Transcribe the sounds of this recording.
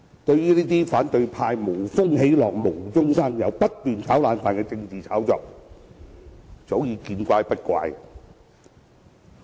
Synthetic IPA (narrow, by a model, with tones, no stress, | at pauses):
t̪ɵ˧ɥjyː˥liː˥t̪iː˥faː˨˥nt̪ɵ˧ɥpʰaː˧jmo˨˩wfʊ˥ŋɦe˨˥jlɔː˨k̚mo˨˩wt͡sʊ˥ŋsɐ˥ŋjɐ˨˧wpɐ˥t̚t̪yː˨nt͡sʰaː˨˥wlaː˨˧nfaː˨nkɛː˧t͡sɪ˧ŋt͡siː˨t͡sʰaː˨˥wt͡sɔː˨˧k̚ | t͡so˨˥wjiː˧kiː˧nkʷaː˧jpɐ˥t̚kʷa̰ː˧j